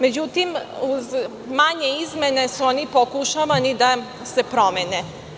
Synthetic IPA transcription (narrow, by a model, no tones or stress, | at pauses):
med͡ʑut̪imuz | maɲeizme̞ne̞suonipokuʃaʋanid̪a | se̞pɾomene